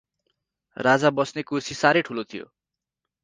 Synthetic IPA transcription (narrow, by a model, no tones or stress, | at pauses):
rad͡zabʌsnekusisaɾejʈʰulot̪ʰijo̰